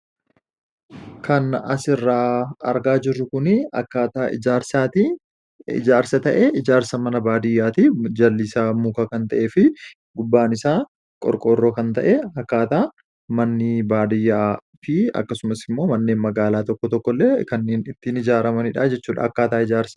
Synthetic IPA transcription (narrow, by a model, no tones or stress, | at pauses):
kʰɐnɐsɪrːaːɐ̰ɾɡaːd͡ʒɪrːʊkʊnɪɐkːaːt̪aːɪ̰d͡ʒaːɾsaːt̪i | ɪ̰d͡ʒaːɾsɐt̪ɐʔɛɪd͡ʒaːɾsɐmɐnɐbaːd̪ɪjːaːt̪id͡ʒɐlːisaːmuːkaːkɐnt̪ɐʔeːfɪ | ɡʊbːaːnɪsaː | kʼɔ̰ɾkʼoːrːoːkɐnt̪ɐʔeɐkːaːt̪aː | mɐnːɪbaːd̪ɪjːaːtɪɐ̰kːɐsʊmɐsɪmːo̞ːmɐnːe̞ːnmɐɡaːlaːt̪ɔkːɔt̪ɔkːɔlːeːkɐnːeːnɪt̪ːɪnɪd͡ʒaːɾɐmɐnɪᶑaːd͡ʒɛt͡ʃːuːᶑɐ̰ɐkːaːt̪aːɪd͡ʒaːɾsɐ̥